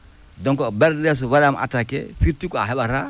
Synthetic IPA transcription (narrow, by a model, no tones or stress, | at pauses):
dɔŋkɔbɛɾdɛs̬uwaɾamʔa̰takɛ̰fiɾtikɔa̰ɦɛɓaɾa